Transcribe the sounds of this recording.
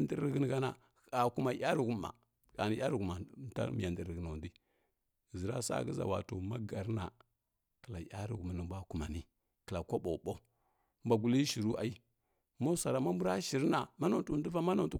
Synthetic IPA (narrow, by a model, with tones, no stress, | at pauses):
n˦di˦ɾɡə˦n˨ɡa˦na˨ | a˨ku˦ma˨ja˦ɾu˨ɡu˦ma̰˨ | ka˨ni˨˦ja˦ɾu˨ɡu˨ma˨˦ta̰˦mḭ˨ja˨ndi˨ɾɡə˨no˨di˦˨ | zi˨ɾa̰˦sa̰˦˨ɡə˦za̰˨wa̰˨to˨ma˦ɡa˨ɾna˨ | kə˨la˨ja̰˦ɾi˨ɡu˨m˨nu˨ba˦˨ku˨ma˨ni˦ | kə˨la˨kʷo˦ɓo˨ɓo˦ | m˦ba˨ɡu˨li˦ʃi˨ɾu˦ʔa˨i˦ | mo˦sa˨ɾa˨ma˦mbu˦ɾa˦ʃi˨ɾna˨ma˦no˨tu˨˦du˦va˦ma˦no˨n˨tu˦